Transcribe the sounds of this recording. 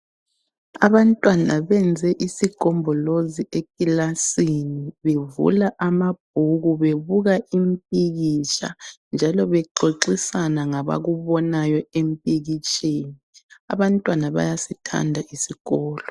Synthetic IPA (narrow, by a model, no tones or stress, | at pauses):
aβantʼwanaβɛnd͡zʱɛʔisiɡ̥ʱɔmbʱɔloziʔekʼilasiniβevṵlaʔamab̥̚ʱuɣuβeβuɣaʔimpʼiɣit͡ʃʼa̰nd͡ʒʱalɔβɛǃoǃisanaŋaβa̰ɣuβɔnajɔempʼiɣit͡ʃʼeːnia̰βantʼwanaβa̰jasitʰa̰ndʱaʔisiɣɔːlɔ